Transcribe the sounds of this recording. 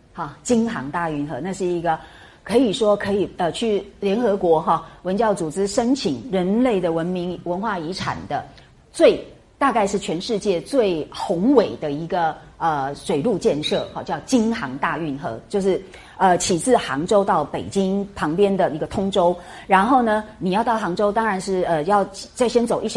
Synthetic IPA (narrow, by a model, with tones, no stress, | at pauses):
xɑ˥˩t͡ɕi˥nxɑ˧˥ŋt̪a˥˧y˥˩nxɤ˧˥˦na˥˧ʂɻ̩˥˩i˧˥ɡə˧ | kʰɤ˧˥i˨˩ʂwɔ˥kʰɤ˧˥i˨˩ə˧t͡ɕʰy˥˩ljɛ˧˥nxɤ˧˥kwɔ˧˥xɑ˥˧wə˧˥nt͡ɕjɑ˥˩ʊt͡su˨˩t͡sɻ̩˥ʂə˥nt͡ɕʰi˨˩ŋɻə˧˥nle˥˩ɪd̪ə˩wə˧˦˥nmi˧˥ŋwə˧˥nxwa˥˩i˧˥ʈ͡ʂʰa̰˨˩nd̪ə˦ | t͡swe˥˧ɪ | t̪a˥˧ka˥˧ɪʂɻ̩˥˩t͡ɕʰɥɛ˧˥nʂɻ̩˥˧t͡ɕjɛ˥˧t͡swe˥˩ɪxʊ˧˥ŋwe˨˩ɪd̪ə˦i˧˥ɡə˧ | ə˧˩ʂwe˨˩ɪlu˥˧t͡ɕjɛ˥˧nʂɤ˥˩xɔ˥˧˩t͡ɕjɑ˥˩ʊt͡ɕi˥nxɑ˧˥ŋt̪a˥˧y˥˩nxɤ̰˧˥t͡ɕjo˥˧ʊʂɻ̩˥˩ | ə˧t͡ɕʰi˨˩t͡sɹ̩˥˩xɑ˧˥ŋʈ͡ʂo˥ʊt̪ɑ˥˩ʊpe˨˩ɪt͡ɕi˥npʰɑ˧˥ŋpjɛ˥nd̪ə˨i˧˥ɡə˧t̪ʰʊ˥ŋʈ͡ʂo˥ʊɻa˧˥nxo˥˩ʊnə˩ni˨˩jɑ˥˧ʊt̪ɑ˥˩ʊxɑ˧˥ŋʈ͡ʂo˥ʊt̪ɑ˥ŋɻa˧˥nʂɻ̩˥˩ə˧jɑ˥˧ʊ˨t͡sa˥˩ɪɕjɛ˥nt͡so˨˩ʊi˥˩˨